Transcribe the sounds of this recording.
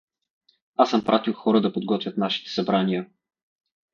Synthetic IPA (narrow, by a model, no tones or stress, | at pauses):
asɤmpɾʔat̪ilˠxɔɾəd̪ɐpod̪ɡɔt̪vʲjət̪naʃi̥t̪ɛ̥sɐbɾanijə